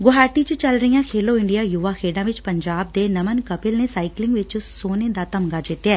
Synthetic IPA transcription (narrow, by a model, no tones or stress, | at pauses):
ɡʊɦaːʈit͡ʃt͡ʃəlɾəijãːkʰeːloːɪɳɖijaːjuːʋaːkʰeːɖãːʋɪt͡ʃpəɲd͡ʒaːb̚d̪eːnəmənkəpɪlneːsaːɪklɪ̃ŋɡʋɪt͡ʃʊsːoːned̪aːt̪əmɡaːd͡ʒɪt̪ːaː